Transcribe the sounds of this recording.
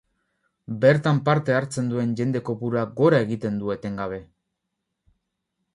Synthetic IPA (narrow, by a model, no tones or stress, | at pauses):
be̞ɾt̪ampaɾt̪e̞aɾt͡se̞nd̪ue̞nʝe̞nd̪e̞ko̞puɾaɡo̞ɾae̞ɣit̪e̞nd̪ue̞t̪e̞ŋɡaβ̞e̞